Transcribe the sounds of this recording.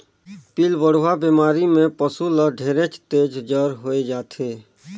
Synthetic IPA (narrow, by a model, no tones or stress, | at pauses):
pilʋəɽ̤ʋabeːmaːɾimẽpəsuləɖʱeːɾẽt͡ʃt̪eːd͡ʒd͡ʒəɾɦoːed͡ʒaːt̪ʰeː